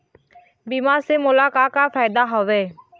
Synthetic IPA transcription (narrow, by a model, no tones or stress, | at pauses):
biːmaːɾseːmʊlaːkaːkaːfaːɪd̪aːɦoʋeː